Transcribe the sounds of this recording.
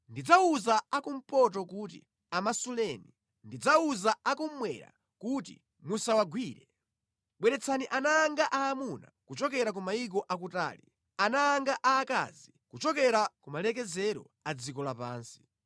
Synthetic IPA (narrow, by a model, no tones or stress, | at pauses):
ndid͡zauzaakum̩pɔt̬ɔkut̬ḭ | amasulɛːni | ndid͡zauzaakum̩mwɛ̰ɾa̰ | kutḭ | musawaɡwiːɾɛ | ɓwɛɾɛt͡sʰaniʔanaːŋɡaʔaːmuna̰kut͡ʃɔk̬ɛɾak̬umaik̬ɔʔak̬uta̰ːlḭ | anaːŋɡaʔaːka̰zi | kut͡ʃɔkɛɾakumalɛk̬ɛzɛɾɔ̰ | ad͡zikɔlapa̰ːnsi̥